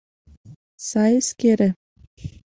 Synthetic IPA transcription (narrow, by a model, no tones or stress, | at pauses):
sɑjɘskʲeɾʲɘ̆